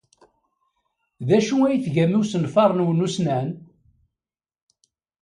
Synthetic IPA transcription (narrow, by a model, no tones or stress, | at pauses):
ðæʃuæjθʝæmiwsənfɑɾˤnwnusnæn